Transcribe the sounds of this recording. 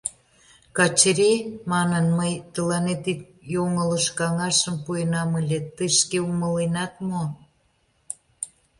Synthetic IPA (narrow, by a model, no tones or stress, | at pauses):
kɑt͡ɕɾimɑnənməjt̪əlɑnet̪it̪̚ | joŋələʃkɑŋɑʃə̆mpujənɑməlʲet̪əʃkeumə̆lenɑt̪mo